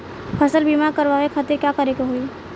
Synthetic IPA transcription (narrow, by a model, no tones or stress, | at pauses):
pʰɐsəlbiːmaɾkəɾʋaʋekʰat̪iɾkjakəɾeːɡaɦoi